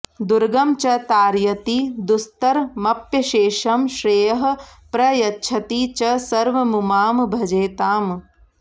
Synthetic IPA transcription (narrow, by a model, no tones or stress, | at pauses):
d̪uɾɡɐmt͡ʃɐt̪aːɾjɐt̪id̪ust̪ɐɾmɐpjɐʃeːʃɐmʃɾeːjɐɦɐ̆pɾɐjɐtːʃʰɐt̪iːt͡ʃɐsɐɾʋɐmumaːmbʱɐd͡ʒeːt̪aːm